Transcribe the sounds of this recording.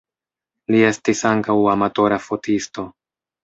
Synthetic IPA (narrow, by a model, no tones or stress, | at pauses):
lie̞stisaŋkawamato̞ɾafo̞tʰisto̞